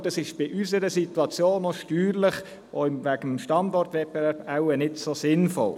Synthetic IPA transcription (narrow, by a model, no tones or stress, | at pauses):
d̥ɑsɪʃb̥ɪʔysəɾəsit̪uɑt͡sjoːnɔʃtyːɾlɪχ | ʔoɪmvæɡ̥əmʃtɑndɔrtʋɛbɛvæɾbawənɪtsosɪnfɔ̰l